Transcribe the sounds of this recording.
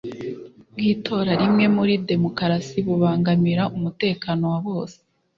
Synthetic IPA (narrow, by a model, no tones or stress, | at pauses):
ɡiːtʰo̞ːɾaɾimŋe̞muɾide̞mo̞kaɾasiβuβaːŋɡamiɾaʔumute̞ːkaːno̞waβo̞ːse̥